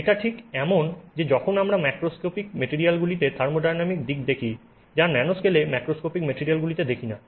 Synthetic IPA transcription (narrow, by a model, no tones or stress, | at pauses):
eʈaʈʰikɛmond͡ʑed͡ʑɔkʰonamɾamajkɾoskopikmeʈiɾialɡulit̪et̪ʰaɾmoɖajnamik̚d̪ikd̪ekʰi | d͡ʑaɾnɛnoskelemakɾoskopikmeʈiɾijalɡulit̪ed̪ekʰina